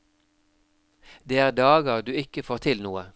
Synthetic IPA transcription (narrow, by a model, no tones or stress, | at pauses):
d̪eːæːʁd̪ɑːɡəʁd̪ʉːɪkəfoːʁt̪ʰɪlnuːə